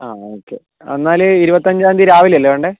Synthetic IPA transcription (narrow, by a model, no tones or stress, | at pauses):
aːoːkːḛ | ɐ̰nːaːlɨiɾubɐt̪ːɐɲd͡ʑaːnd̪iɾaːʋilɐlːeʋeɳɖɨ